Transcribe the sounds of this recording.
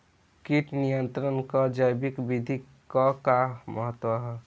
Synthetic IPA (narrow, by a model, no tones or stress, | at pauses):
kiʈnijənt̪ɾənkəd͡ʒəjbikbid̪ʱi | kɔkaməɦət̪wəɦɛ